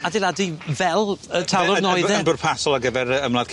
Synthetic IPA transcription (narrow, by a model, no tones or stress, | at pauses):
adɪlˠadivɛlˠətʰalˠɔnɔɨðɛbʊrpʰasɔlˠaɡəvɛɾəəmlað̥kʰ